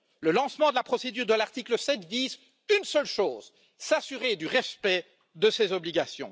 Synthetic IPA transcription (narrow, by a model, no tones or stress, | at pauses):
ləlɑ̃smɑ̃d̪əlapχɔsed̪yːʁd̪əlaʁt̪ikləsɛt̪viz | ynsœlʃoːz | sasyʁed̪yʁɛspɛ | d̪əsezɔbliɡasjɔ̰̃